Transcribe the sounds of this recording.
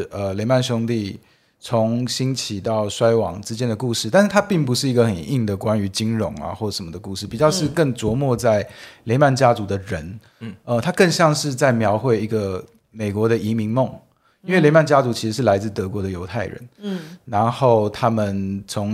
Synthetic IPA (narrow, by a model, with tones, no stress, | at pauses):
ə˩le˧˥ɪma˥˩nɕ̬jʊ˥ŋt̪i˥˩ | t͡sʰʊ˧˦ŋɕi˥nt͡ɕʰi˨˩t̪ɑ˥˩ʊʂwa˥ɪwɑ̰˨˩ŋʈ͡ʂɻ̩˥t͡ɕjɛ˥nd̪ə˨ku˥˧ʂɻ̩˥˧t̪a˥˧nʂɻ̩ʰ˥˩a˥pi˥˩ŋpu˧˦ʂɻ̩˥˩i˧˥ɡə˧xə˨˩ni˥˩ŋd̪ə˩kwa˦ny˧˥t͡ɕi˥ŋɻʊ˧˥ŋa̰˧xwɔ˥˩˨ʂə˨nmə˩d̪ə˩ku˥˧ʂɻ̩˥˩pi˨˩t͡ɕjɑ˥˧ʊʂɻ̩˥˧kə˥˩ŋt͡swɔ˧˥mwɔ˥˧t͡sa˥˩ɪle˧˥ɪma˥˩nt͡ɕja˥t͡su˧˥d̪ə˨ɻə˧˥n | ə˧t̪ʰa˥kə˥˧ŋɕjɑ˥˧ŋʂɻ̩˥˧t͡sa˥˩ɪmjɑ˧˥ʊxwe˥˩ɪi˧˥ɡə˧ | me˨˩ɪkwɔ˧˥d̪ə˨i˧˥mi˧˥ŋmo˥˨˩ŋ | i˥nwe˥˩le˧˥ɪma˥˩nt͡ɕja˥t͡su˧˥t͡ɕʰi˧˥ʂɻ̩˧˥ʂ̬ɻ̩˥˩la˧˥ɪt͡sɹ̩˥˩t̪ɤ˧˥kwɔ˧˥d̪ə˨jo˧˥ʊt̪ʰa˥˩ɪɻə̰˧˦nɻa˧˦˥nxo˥˩ʊt̪ʰa˥mə˨nt͡sʰʊ˧˥ŋ